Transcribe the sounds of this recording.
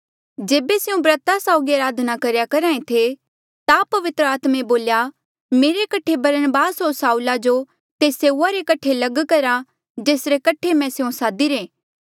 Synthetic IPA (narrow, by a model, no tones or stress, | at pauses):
d͡ʒeːbeseũbɾɐt̪asaʊɡiɐɾaːd̪ʱnakɐɾjakɐɾaːẽt̪ʰe | t̪apɐʋɪt̪ɾəaːt̪mẽboːlja | meːɾekɐʈʰebɐɾənbaːsɦoɾsaːulad͡ʒo | t̪eːseːuaɾekɐʈʰːelɐɡkɐɾa | d͡ʒeːsɾekɐʈʰemɛ̃seũsaːd̪iɾẽː